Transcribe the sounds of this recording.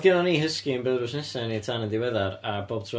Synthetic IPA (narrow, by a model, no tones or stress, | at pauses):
ɡɪnɔniːhəskiənbɛðɾʊsnɛsɛniətʰanənðɪwɛðaɾaboːb̥̚tʰrɔ